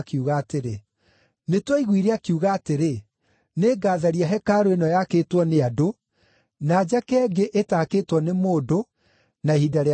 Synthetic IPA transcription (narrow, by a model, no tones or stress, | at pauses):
kiuɣaːteɾe | netwɔiɣwiɾeakiuɣaːteɾe | neːɡaːðaɾiaɦɛkaːɾoenɔjakeːtwɔneado | naːd͡ʑakɛːɡeʔetakeːtwɔnemoːdo | naehidaɾe